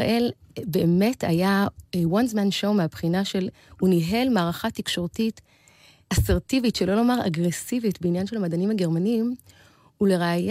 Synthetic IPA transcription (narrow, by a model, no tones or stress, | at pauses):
ʔelbe̞ːme̞tʰa̰jawanzmanʃowmeapχinaʃe̞l | uniɦe̞lmaːʁaχatikʃo̞ʁtit | aseʁtivitʃelo̞lo̞maʁa̰ɡʁesivitbeinjanʃelhamadanimaɡe̞ʁmaniːm | uleʁeaj